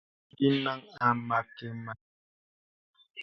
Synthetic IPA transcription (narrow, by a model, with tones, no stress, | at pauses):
di˦na˦ŋa˨ma˨ke˨ma˨